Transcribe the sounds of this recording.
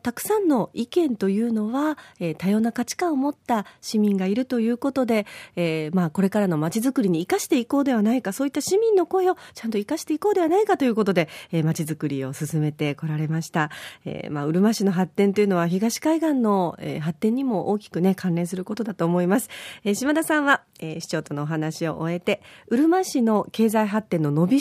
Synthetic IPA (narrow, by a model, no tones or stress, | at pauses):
t̪akɯ̟̥sãnːo̞ikẽ̞nt̪o̞jɯ̟ːno̞βaet̪ajo̞ːnakat͡ɕi̥kãomo̞t̪ːaɕimʲĩŋɡaiɾɯ̟t̪o̞jɯ̟ːko̞t̪o̞d̪e̞mako̞ɾe̞kaɾano̞mat͡ɕizɨkɯ̟ɾʲiɲ̟iːkaɕi̥t̪e̞iko̞ːd̪e̞β̞anaikaso̞ːit̪ːaɕimʲĩnːo̞ko̞e̞o̞t͡ɕãnt̪o̞ikaɕi̥t̪e̞iko̞ːd̪e̞βanaikat̪o̞jɯko̞t̪o̞d̪e̞emat͡ɕizɨkɯ̟ɾʲio̞sɨsɨme̞t̪e̞ko̞ɾaɾe̞maɕi̥t̪aḛmaɯ̟ɾɯ̟maɕino̞ɦat̪ːẽ̞nt̪o̞jiɯ̟no̞β̞açiɡaɕi̥kaiɡãnːo̞ḛːɦat̪ːẽɲ̟ːimo̞ʔoːkʲi̥kɯ̟ne̞kʰãnɾẽ̞ɰ̃s̬ɨɾɯ̟ko̞t̪o̞d̪at̪o̞ːmo̞imasɨ̥eɕimad̪asãɰ̃βa | eɕi̥t͡ɕo̞ːt̪o̞no̞ːɦanaɕio̞̰ʔoe̞t̪e̞ɯ̟ɾɯ̟maɕino̞ke̞ːzaiɦat̪ːẽ̞nːo̞no̞bʲi